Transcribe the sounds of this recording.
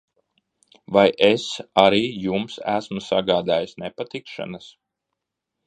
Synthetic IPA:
vajʔesaɾiːjumsæ̰smusaɡaːd̪aːjisnepat̪ikʃa̰nas

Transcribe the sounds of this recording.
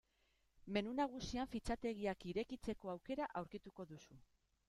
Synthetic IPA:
me̞nunaɣ̞usiaɱfit͡sat̪e̞ɣ̞iakiɾe̞kit͡se̞ko̞awke̞ɾaʔawɾkit̪uko̞ðusu

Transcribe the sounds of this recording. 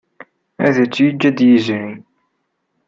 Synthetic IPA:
æðæt͡sːjəd͡ʒːæd̪jəzɾin

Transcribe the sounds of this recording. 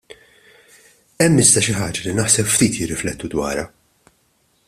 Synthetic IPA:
ɛmːɪzd̪ɐʃɪħɐːd͡ʒɐlinɐħsɛpft̪iːt̪jɪrːɪflɛt̪ːud̪wɐ̰ːɾɐ

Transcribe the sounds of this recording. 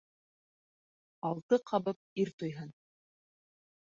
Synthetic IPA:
ɑlˠt̪ɤqʰɑβɤp̚iɾt̪ŏjɦɤn

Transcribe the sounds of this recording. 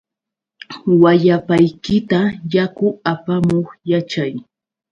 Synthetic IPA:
waʎapajkɪt̪ajakʊapamoχjat͡ʃaj

